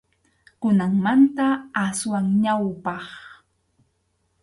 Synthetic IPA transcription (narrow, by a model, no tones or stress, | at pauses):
kʊnaŋmant̪aaswaŋɲawpɑχ